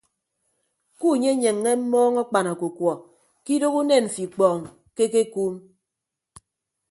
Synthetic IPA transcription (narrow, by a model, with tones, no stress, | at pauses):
ku˦˨ɲe˦ɲe˨ŋːe˦m̩˦mɔː˦ŋɔ˦k͡pa˨na˨ku˨kwɔ˨ | ki˦do˦ku˦ne˦˨n̩˨fi˨k͡pɔː˨ŋ˨ | ke˦k̬e˦kuː˦m